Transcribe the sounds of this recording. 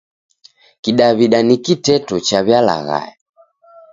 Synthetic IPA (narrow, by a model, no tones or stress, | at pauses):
kiɗaβiɗanikitɛtɔt͡ʃaβjala̰ɣa̰jɛ